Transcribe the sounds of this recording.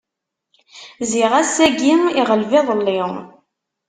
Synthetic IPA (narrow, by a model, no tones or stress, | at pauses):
ziʁæsæɡimiʁəlvɪðˤəlːi